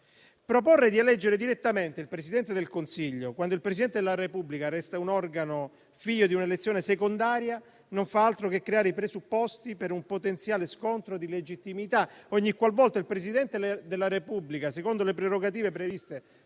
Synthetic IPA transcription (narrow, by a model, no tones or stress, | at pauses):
pɾoporːed̪ialɛd͡ʒːeɾed̪iɾet̪ːament̪eilpɾesid̪ɛnt̪ed̪elkonsiʎːokwand̪oilpɾes̬id̪ɛnt̪ed̪elːaɾepubːlikaɾɛst̪aunɔrɡano | fiʎːod̪iunelet̪sːjoːnesekond̪aːɾja | noɱfaalt̪ɾokekːɾeaːɾeipɾesupːɔst̪ipeɾumpot̪ent̪sjaːleskont̪ɾod̪iled͡ʒit̪ːimit̪aɔɲːikːwalvɔlt̪ailpɾesid̪ɛnt̪ed̪elːaɾepublikasekond̪olepɾeɾoɡat̪̬iːvepɾevist̪e